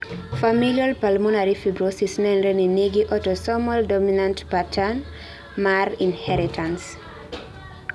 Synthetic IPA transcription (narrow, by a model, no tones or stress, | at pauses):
familialpalmɔnaɾifibɹosisnɛ̃nɹɛnineɡiʔɔtɔsɔmɔldɔminãntpatʰan | maɾĩnhɛɾitʰãns